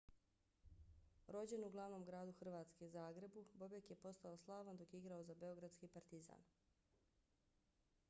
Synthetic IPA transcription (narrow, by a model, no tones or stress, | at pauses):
ɾo̞d͡ʑe̞nuɡlˠaʋno̞ːmɡɾaːd̪uxr̩ʋaːt̪ske̞uzaːɡɾe̞bubo̞bjekje̞po̞st̪aoslˠaːʋand̪o̞kjeiɡɾao̞zabe̞o̞ɡɾad̪t̪skipaɾt̪iza̰ːn